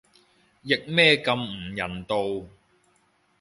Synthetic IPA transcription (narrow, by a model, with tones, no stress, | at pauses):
jɪ˨k̚mɛː˥kɐ˧m̩˨˩jɐ˨˩nt̪o˧w